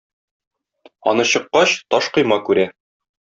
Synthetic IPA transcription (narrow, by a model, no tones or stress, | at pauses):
ɒ̰nɤɕɤ̆qːɑɕt̪ɒʃqɤ̆jmɑkʉɾæ